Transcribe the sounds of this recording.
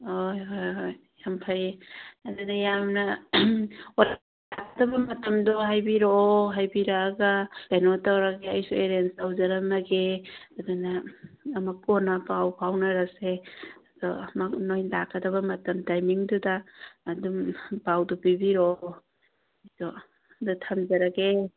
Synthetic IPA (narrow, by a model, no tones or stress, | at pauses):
ojojojːampʰajeɐdunɐjamnɐ | o | akʰːɐdɐbɐmɐtɐmdoɦajbiɾoɦajbiɾaːɡɐtanotawɾɐɡeɐjsueɾensawzɐɾɐmɐɡeɐdunɐːmɐkonɐpawpʰawnɐɾɐseɐdɔmɐnojndakʰːɐdɐβɐmɐtɐmtajmiŋdudaːdumpawdɔpibiɾo | jsɔ | dɐtʰamd͡ʒɐɾɐɡe